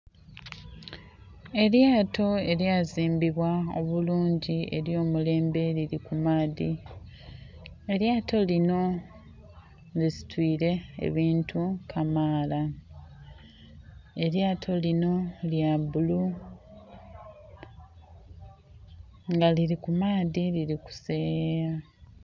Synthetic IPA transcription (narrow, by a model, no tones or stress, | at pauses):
e̞ɾjaːto̞e̞ɾjaːziːmbiβwao̞̰βuluːɲɟie̞̰ɾjo̞ːmule̞ːmbe̞liɾikumaːði | eɾjaːtʰo̞lino̞ | lisi̥twiːɾe̞̰ːβiːntʰukʰamaːla | e̞ɾjaːtʰo̞lino̞ljabulu | ŋɡaliɾikumaːðiliɾiku̥seːɾa